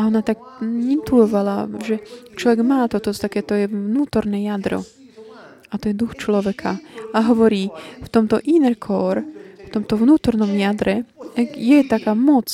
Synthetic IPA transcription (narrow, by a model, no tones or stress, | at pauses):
aɔnat̪akint̪luɔʋalaʒɛt͡ʃlɔʋɛɡmaːt̪ɔt̪ɔt̪akɛːt̪ɔjɛvnuːt̪ɔɾnɛjad̪ɾɔ̰ | at̪ɔjɛd̪uxt͡ʃlɔʋɛkʰaaɦɔʋɔɾiːft̪ɔmt̪ɔʔinɛɾkʰɔːɾft̪ɔmt̪ɔvnuːt̪ɔɾnɔmjad̪ɾɛjɛt̪akaːmɔt͡s